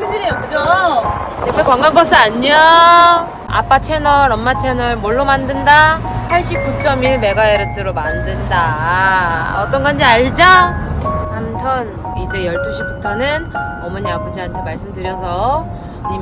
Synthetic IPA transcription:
sɯnd͡ʑɯɾijokɯd͡ʑo | ʌkekwaŋɡanpʌs͈ʰɯaɲo | a̰p͈at͡ɕʰe̞nʌɾʌmmat͡ɕʰenʌɯɭmoɭːomandɯnda | pʰaɭɕ͈ip̚k͈ut͡ɕ͈ʌmiɭme̞ɡaeɾɯtʰɯɾomandɯnda | ʌt͈ʌnɡand͡ʑiaɭd͡ʑa | amtʰʌn | id͡ʑe̞jʌɭt͈uɕʰibutʰʌnɯn | ʌmʌɲiapʰʌd͡ʑiɦantʰe̞maɭs͈ɯmdɯɾjʌsʰʌ | i

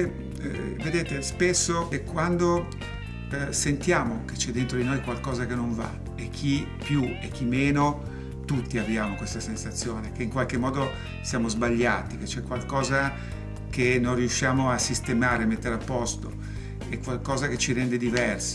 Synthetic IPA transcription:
e | ved̪eːt̪espesːokekwand̪o | sent̪jaːmok̟et͡ʃɛd̪ːent̪ɾod̪inojkwalkɔːzakenoɱva̰ | ekʰːi | pjuek̟ːimːeːno | t̪ut̪ːiavjaːmokwest̪asensat̪sːjoːnekeiŋkwalkemːɔːd̪o | sjaːmozbaʎːaːt̪iket͡ʃɛkːwalkɔːza | kenojriuʃːaːmoasist̪emaːɾeamet̪ːeɾapːɔst̪o | ekːwalkɔːzaket͡ʃiɾɛnd̪ed̪ivɛrs

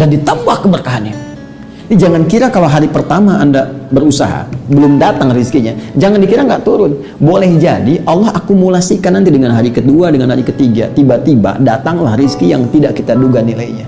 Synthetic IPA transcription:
dandit̪əpahkːəbərkaɦanɲa | did͡ʒaŋankiɾakalawɦaɾipərt̪amaʔːndabəɾusa̰ɦa̰bəlʊmdat̪aŋriskiɲad͡ʒaŋandikiɾaŋɡaʔt̪uɾʊn | bolɛhd͡ʒadiʔalːɔhakumulasikanːant̪idəŋanɦaɾikəduadəŋanɦaɾikət̪iɡa̰t̪ibat̪iba̰dat̪aŋlahriskijaŋt̪idaʔkit̪aduɡanilaiɲa

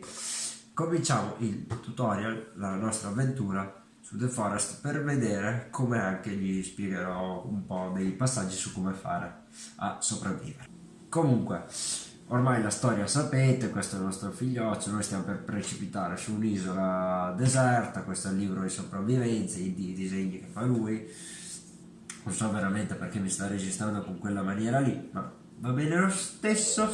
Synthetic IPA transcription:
komint͡ʃaːmoʔilt̪ut̪ɔɾjalːanɔst̪ɾaːvːent̪uːɾa | sud̪efɔɾɛst̪perved̪ɛːɾekʰomeaŋkeʎispjɛɡeɾɔumpɔd̪ejpasːad͡ʒːisukːomefa̰ːɾe | a̰sːopɾavːḭːveɾ | komuŋkwe | ormajlast̪ɔːɾjasapet̪ekwest̪oɛlnɔst̪ɾofiʎːɔt͡ʃːonojst̪jamoperpɾet͡ʃipit̪aːɾesuːniːzolad̪ezɛrt̪akwest̪oɛlːiːbɾod̪isopɾavːivɛnt̪said̪id̪izeɲːike̥fːaluːj | nonsɔvːeɾament̪eperkemːist̪ared͡ʒist̪ɾand̪okoŋkwelːamanjɛːɾalima̰ | vabɛːnelost̪esːo

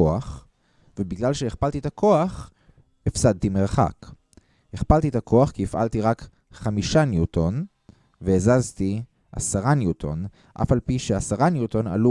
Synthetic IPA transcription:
oaχ | vebiɡlalʃeeχpalt̪it̪akʰo̞aχ | efsad̪̚t̪imeʁχa̰k | heχpalt̪it̪akʰo̞aχkiifʔa̰lt̪iʁak | χamiʃanjut̪ʰo̞n | veezazt̪i | ʔa̰saʁanjutʰo̞̰n | ʔa̰falpiʃeasaʁanjuto̞na̰lu

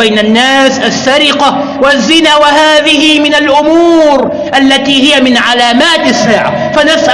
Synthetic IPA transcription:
ajnanːaːsʔasːaɾɪqa | wazːɪnaːwahaːðɪhɪmɪnalʔʊmuːɾ | ʔalːat̪iːhɪjamɪnʕalaːmaːt̪ʔasːaːʕa̰ | fanasʔ

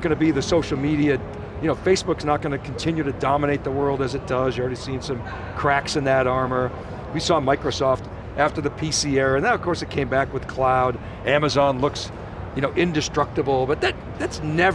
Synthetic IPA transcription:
ɡ̥ʌnɨbiðɨsoʊʃl̩ˠmiɾiɨ | jɨnoʊfeɪsb̥ʊksnət̚ɡ̥ʌnɨkʰn̩tʰɪ̃njʉɾɨdɑməñeɪt̪̚ðəwɜ˞lˠdɨzɨt̚d̥ʌzjɨvl̩ˠɹɛɾisĩnsʌ̃m | kʰɹ̥æksɨ̃nðɨɾɑɹmə˞ | wisɔmaɪkɹoʊsɔft | ʔæftə˞ðɨpʰisiɛɹɨ̃nðə̃nʌv̥kʰɔɹsɨt̚kʰẽɪ̃mbækwɨð̥kʰl̥aʊɾ | æmɨzɑ̃nlʊks | jɨnoʊʔɪ̃ndɨstɹ̥ʌk̚təbl̩ˠbʌt̪̚ðɨt̪̚ðætsnɛv

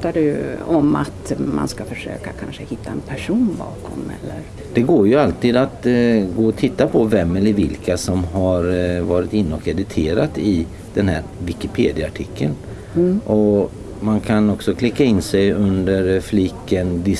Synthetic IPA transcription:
t̪ːaɖʉɔmat̪ma̰nskafœʂø̰ːkakʰanʂəhɪt̪ːaɛnpʰæʂuːnbɑ̰ːkʰɔ̰mɛ̰lːə̰ɾ | d̪̥ɛɡoːɾjɵalt̪iːd̪at̪ɡoːɔt̪ʰɪt̪ːapʰɔvɛmːɛlːəɾvɪlkʰasɔmɦaɾvɑːɾɪt̪ɪnːɔkɛd̪ɪt̪ʰeːɾat̪ɪ | d̪̥ɛnhæːɾvɪkɪpʰeːd̪ɪaaʈʰɪkʰːə̰n | ʔɔ | mankʰanɔksɔkʰlɪkːaɪnːsɛjɵnd̪əɾflɪkːənd̪ɪ

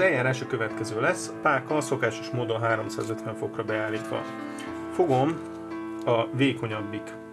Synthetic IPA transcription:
ɛjaːɾaːʃɒkø̞vɛt̪kɛzøːlɛsːɒpaːkɒso̞kaːʃo̞ʃmoːd̪o̞nɦaːɾo̞msa̰ːzø̞t̪ʋɛɱfo̞krɒbɛaːlːiːt̪ʋɒ̰ | fo̞ɡo̞m | ɒveːko̞ɲɒbːik

